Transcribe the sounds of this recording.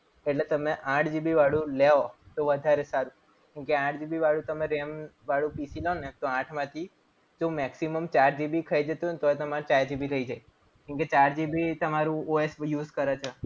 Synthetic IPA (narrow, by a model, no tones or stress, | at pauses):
eʈlet̪əmeʔãʈʰd͡ʒibʱiʋaɽũleot̪oʋəd̪ʱaɾesaɾũ | kũkeãʈʰd͡ʒibiʋaɽũt̪əmẽɾemʋaɽũpisilonet̪oãʈʰmãt̪ʰi | d͡ʒomɛksiməmt͡ʃaɾd͡ʒibikʰəid͡ʒət̪unt̪oet̪əmat͡ʃaɾd͡ʒibiɾəid͡ʒaj | kũket͡ʃaɾd͡ʒibit̪əmaɾũoesjuːzkəɾet͡ʃʰɔ